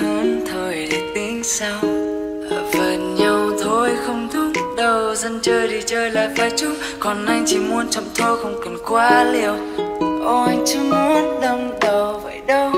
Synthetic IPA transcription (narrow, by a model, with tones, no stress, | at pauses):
hə˧˦nt̪ʰəː˨˩jɗe˨˩t̪i˧˦ŋ̟saː˧w | ʔəː˧˩və˨˩nɲa˧wt̪ʰo˧jxə˧wŋ͡mt̪u˦˥t̚ɗə˧˩wzə˧nt͡ɕəː˧jɗi˨˩t͡ɕəː˧jlaː˨˩kaː˧jt͡ɕʊ˨˦˥ŋ͡m̚ | kɔ˨˩nʔa˧jŋt͡ɕʰi˧˩mu˧ənt͡ɕə̰˧˨wŋ͡mt̪ʰɔ˧xə˧wŋ͡mkə˨˩nkwaː˧li˨˩əw | ʔɔ˧jt͡ɕɨ˧˦mu˧˦ənɗə˧wŋ͡mɗə˨˩wvə̰˧˨jɗə˧w